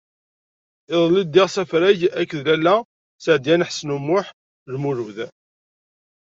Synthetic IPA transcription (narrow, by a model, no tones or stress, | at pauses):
ɪðˤlid̪ːɪʁsæfɾæʝækːðlælːæ | səʕd̪jænħsnumːʊħ | lmuɾuð